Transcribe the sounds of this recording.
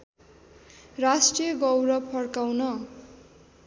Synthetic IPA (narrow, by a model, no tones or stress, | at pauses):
rasʈrijʌɡʌwɾʌpʰʌrkawnʌ